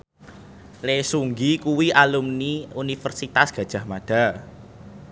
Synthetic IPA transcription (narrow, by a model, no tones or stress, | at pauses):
lesuŋɡikuwiʔalumniunifərsit̪asɡ̥ä̤d̥ʒ̥a̤hmaɖ̥a̤